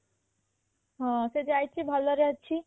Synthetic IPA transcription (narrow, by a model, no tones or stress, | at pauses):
ɦãsed͡ʒajt͡ʃʰibʱʌlːəɾəɦt͡ʃʰi